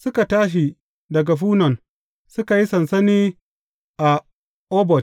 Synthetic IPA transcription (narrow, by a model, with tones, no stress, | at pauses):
sʊ˦ka˨taː˦ʃ̬i˨ | dɐ˨ɡa˨ɸuː˦nɐ˨n | sʊ˦ka˨ji˦sɐ˨nsɐ˦niː˦ | ʔa˨ | ʔɔː˦bɔ˨t